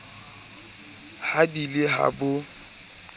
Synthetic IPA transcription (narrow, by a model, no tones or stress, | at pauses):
hadilɪɦa̰bʊ